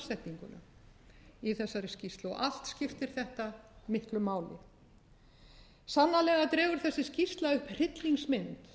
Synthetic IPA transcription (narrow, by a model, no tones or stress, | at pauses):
sɛht̪niŋkʏ̰na̰ | iθɛsːaɾɪscist̪lɔʔal̥t̪scɪft̪ɪɾ̥θɛht̪amɪhklʏmaːwlɪ̰ | sanːalɛːɣat̪ɾɛːɣʏɾ̥θɛsːɪscist̪laʏhpr̥ɪt̪liŋksmɪnt̪